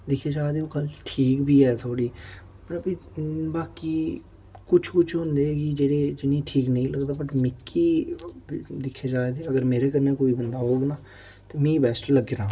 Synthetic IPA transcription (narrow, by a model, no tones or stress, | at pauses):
d̪ɪkʰːeːd͡ʒaːed̪eːoːkəlʈʰiːkbʱiːɛːt̪ʰoːɽiː | pəɾbibaːkiː | kʊt͡ʃʰkʊt͡ʃʰɦʊ̃nd̪eːɛɡid͡ʒeːɽeːd͡ʒɪnːĩːʈʰiːknəĩːləɡd̪aːbəʈmɪkːiː | d̪ɪkʰːeːd͡ʒaːeːd̪eːəɡəɾmeːɾeːkəɾneːkoːiːbənd̪aːɦoːɡnaː | t̪eːmɛ̃ːbɛːsʈləɡɾãː